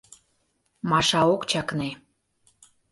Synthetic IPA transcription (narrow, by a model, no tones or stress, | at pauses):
mɑʃɑokt͡ɕɑkne